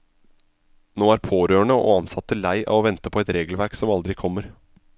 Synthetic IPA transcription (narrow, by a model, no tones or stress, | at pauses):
noːæːɾpʰoːɾøːəɳəʔo̰ːɑnsɑt̪ːəlæɪʔɑ̰ʋɔʋɛnt̪əpʰɔɛt̪ɾeːɡəlʋæɾksɔmɑld̪ɾɪkʰɔmːəɾ